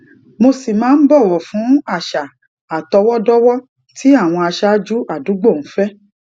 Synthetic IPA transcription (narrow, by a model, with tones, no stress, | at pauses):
mo˧si˨mãː˨˦n̩˦bɔ˦˨wɔ˨fũ˨˦a˦˨ʃa˨ | a˨tɔ˧wɔ˦dɔ˦wɔ˦ | ti˦a˦˨w̃ɔ̃˧a˧ʃa˦d͡ʒu˦ʔa˦˨du˨˦ɡ͡bo˦˨ñ̩˨˦fɛ˦